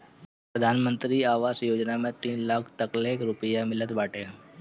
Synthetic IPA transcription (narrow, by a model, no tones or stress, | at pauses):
pɾəd̪ʱaːnmə̃nt̪ɾiaːʋaːsjoːd͡ʒnamẽt̪iːnlaːkʰt̪əkleːkɾʊpəjamɪlət̪baːʈʰe